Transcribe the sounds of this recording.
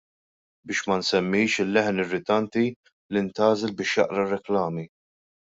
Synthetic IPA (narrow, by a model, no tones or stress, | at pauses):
bɪːʃmɐnsɛmːɪːʃɪlːɛħnɪrːɪt̪ɐnt̪i | lɪnt̪ɐːzɛlbɪːʃjɐ̰ʔɾɐrːɛklɐːmi